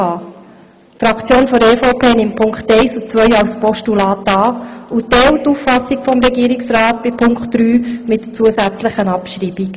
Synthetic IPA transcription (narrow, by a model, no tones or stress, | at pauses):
ɑː | tfɾɑkt͡sjoːnfɔɾeːfoʊpʰeːnɪmpʰːʊŋkχtɛɪsut͡sʋœʏɑwspɔʃtulɑːtɑːutɛwtuffɑsːikfɔmɾɛɡiəɾiksɾɑːt̚b̥ɪpʰʊŋktːɾyːmɪtːət͡suəsæt͡sləχənɑpʃɾiːb̥ik